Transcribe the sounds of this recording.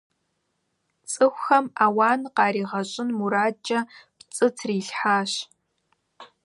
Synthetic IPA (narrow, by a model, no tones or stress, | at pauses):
t͡sʼɨxʷxɐmaːwaːnqɑːɾiːʁɐɕʼɪnmuɾaːt͡ʃɐpt͡sʼɨtʰriːɬħaːɕ